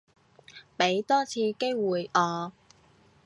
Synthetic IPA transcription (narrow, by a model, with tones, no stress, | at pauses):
pe˨˥jt̪ɔː˥t͡sʰiː˧ke˥jwuː˨˩jɔː˨˧